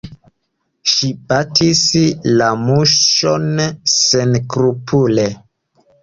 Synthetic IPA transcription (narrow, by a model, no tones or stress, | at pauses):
ʃibatislamuʃonsenkɾupʰule